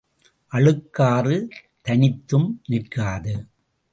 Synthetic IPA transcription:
ʔɐɭɯkːaːrɯ | t̪ɐnɪt̪ːɯmnɪɾkːaːðɯ

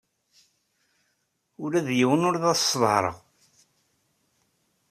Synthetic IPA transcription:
ʊɾæðjiwənʊɾðæðsˤːvhɾˤə̰ʁ

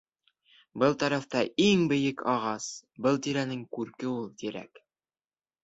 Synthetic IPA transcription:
bɤlˠt̪ɑɾɑft̪ɑiŋbɘ̆jɘkɑʁɑsbɤlˠt̪iɾænɘŋkʉɾkɘulˠt̪iɾæ̰k

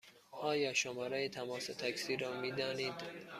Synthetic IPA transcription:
ʔɒːjɒːʃomɒːɾejet̪ʰæmɒːset̪ʰæksiːɾɒːmiːd̪ɒːniːd̪

